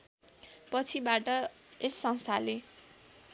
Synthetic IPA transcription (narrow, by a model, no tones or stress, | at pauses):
pʌt͡sʰibaʈʌ | esːʌ̃ŋst̪ʰale